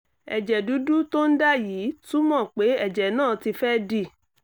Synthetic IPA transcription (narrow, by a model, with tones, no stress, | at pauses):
ɛ˨d͡ʒɛ˨du˨˦du˦to˦n̩˦da˦ji˨˦tu˦mɔ̃˦˨k͡pe˨˦ɛ˦˨d͡ʒɛ˨nãː˦˨ti˧fɛ˦di˦˨